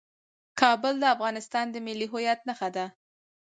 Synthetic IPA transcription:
kɑbəld̪əafɣɑnɪst̪ɑnd̪əmɪlːiɦʊjat̪nəxad̪a

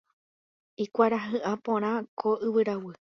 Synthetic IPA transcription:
ikʷaɾaɦɨʔãpõɾ̃ãkʰoʔɨwɨɾawɨ

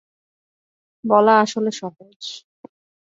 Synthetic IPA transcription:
bɔlaaʃoleʃɔɦod͡ʑ

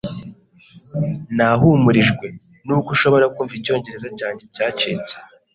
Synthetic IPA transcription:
naɦumuɾiʒɡwe̞ | nukuʃo̞βo̞ɾakuːɱviico̞ːɲɟe̞ɾe̞zacaːɲɟe̞caːceːt͡se̥

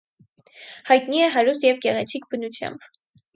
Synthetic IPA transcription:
hɑjt̪niɛɦɑɾust̪jɛvɡɛʁɛt͡sʰik̚bənut͡sʰjɑ̰mb

